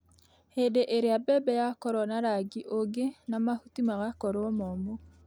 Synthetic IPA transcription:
hedeʔeɾeabɛbɛjakɔɾɔnaɾaɡiʔoɡenamahutimaɣakɔɾwɔmɔmo

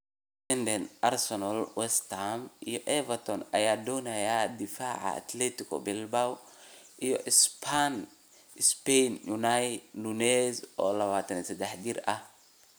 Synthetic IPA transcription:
lɛndɛnʔaɾsɔnɔlwɛst̪amijɔʔɛvɐt̪ɔna̰jadɔnajad̪ifaːʕa̰ːt̪lɛt̪ikɔ̰bɛlbawijɔʔɪspʰan | ɪspɛnjunajnunɛzɔ̰lɐwaːt̪ɛnsɛd̪ɛħdiɾa

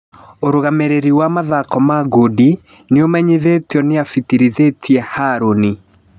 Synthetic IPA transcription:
oɾoɣameɾeɾiwamaðakɔmaɡodi | neomɛɲiðetjɔneafitiɾiðetʰiɛhaɾoni

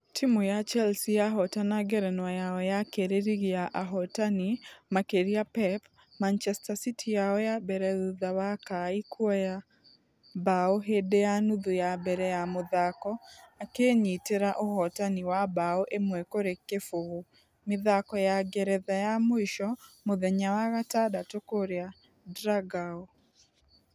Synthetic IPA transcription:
tʰimujat͡ʃɛlsijaɦɔtanaɡɛɾɛnwajaɔjakeɾeɾiɣiaʔaɦɔtanimakeɾiapɛp | mant͡ʃɛstasitʰijaɔjabɛɾɛuðawakaikwɔja | baoɦedejanuðujabɛɾɛjamoðakɔakeɲiteɾaʔohɔtaniwabaoʔemwɛkoɾekːefoɣo | meðakɔjaɡɛɾɛðajamoiʃɔmoðɛɲawaɣatadatokoɾea | dɾaɡao

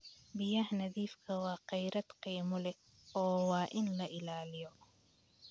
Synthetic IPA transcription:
bɪjɐhnɐðiːfkʰɐwɑːqɛjɾɐd̪qiːmʊlɛ | ɔːwɑːʔɪnlɐʔɪlaːlɪjɔ

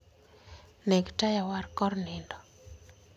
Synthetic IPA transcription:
nɛɡtajawarkɔɾnɪndɔ

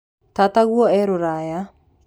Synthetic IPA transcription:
t̪at̪aɣuɔɛɾoɾaja

